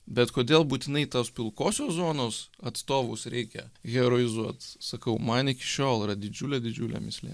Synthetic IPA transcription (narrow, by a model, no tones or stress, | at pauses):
bʲɛt̪koːd̪ʲeːlˠbuːt̪ʲɪnɐɪt̪oːspʲɪlˠkoːsʲoːszoːnoːsɐt̪st̪oːʋoʊsɾʲʔɛɪkʲɛ̰ɣʲɛɾoːɪzuɔt̪sɐkɐʊmɐnɪkʲɪ̥ʃʲoːlˠiɾɐd̪ʲɪd͡ʒʲuːlʲɛd̪ʲɪd͡ʒʲuːlʲɛ̰mʲɪsʲlʲḛː